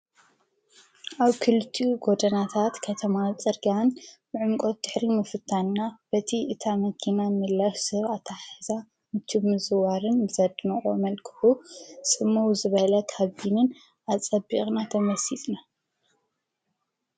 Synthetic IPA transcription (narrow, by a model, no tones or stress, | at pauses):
ʔaβkʰɨlɨt̪ʰiuɡo̞d̪ɐnat̪ʰat̪kʰɐt̪ʰɐmat͡sʼɨɾɡanbɨʕʊmkʼot̪̚d̪̥ɨħɾimɨfɨt̪ʰːannab̥ɐt̪ʰiʔɨt̪ʰamɐkʰinamɨlːaʃsɨβat̪ʰaħɨza | mɨt̪ʰumɨzɨwaɾɨnbɨzɐd̪nɐʔʼo̰mɐlkʰɨ̥husʼɨmːuwzɨβɐhlɐkʰaβinɨn | ʔat͡sʼɐbiχʼnat̪ʰɐmɐsit̪ʼna